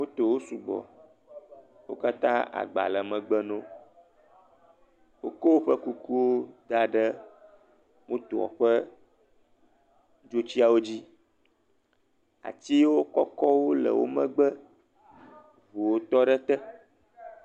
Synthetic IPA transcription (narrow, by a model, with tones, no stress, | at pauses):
wo˦t̪o˨wo˦su˨ɡ͡bɔ̰˨ | wo̰˦ka˦t̪ã̰˦a̰˨ɡ͡ba̰˨lə˨mə̃˨ɡ͡bə˦nõ˦ | wo˦ko˦wo˦ɸə˦ku˦ku˦wo˦d̪a˦ɖə˦ | mõ˦t̪o˨ɔ̰˨ɸə˦ | d͡ʒo˦t͡ɕi˦a˨wo˦d͡ʑi˦ | a̰˨t͡ɕi˦wo˦kɔ˦kɔ˦wo˦lə̰˨wo̰˦mə̰̃˦ɡ͡bə˦ | vo˨wo˦t̪ɔ˦ɖə˦t̪ə˦